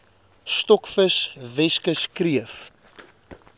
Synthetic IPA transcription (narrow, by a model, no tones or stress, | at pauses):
st̪ɔkfəsvɛskəskriəf